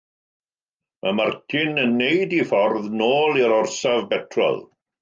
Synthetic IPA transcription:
mʔa̰martʰɪnənːejdifɔrðnoːlˠiɾɔrsavbɛtʰrɔ̰lˠ

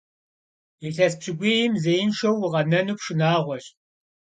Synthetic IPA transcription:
eɬɐspɕɪɡʷeːjɪmzejɪnʂɐwːɪʁɐnɐnuːpʂɨnaːʁʷɔɕʼ

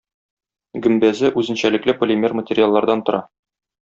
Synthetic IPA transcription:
ɡɵ̆mbæzɘʔʉzɘ̆nɕælɘ̆klɘpŏlʲɪmʲermətʲerʲɪalˠːɑɾd̪ɑnt̪ŏɾʔɑ

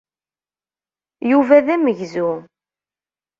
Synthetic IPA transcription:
juvæðæməʝzu

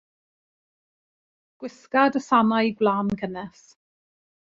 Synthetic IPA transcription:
ɡ̥wɪskadəsanajɡwlaːnkʰənɛs

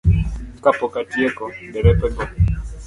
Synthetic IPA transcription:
kapɔkatijɛkɔɡɛɾɛpɛbɔ

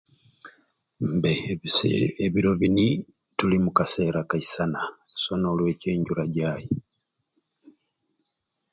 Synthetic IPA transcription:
mbe | eβiɾo̞βini | tulimukase̞ːɾakaisanasono̞ːlwe̞ːce̞ːɲɟuɾaɟaːji

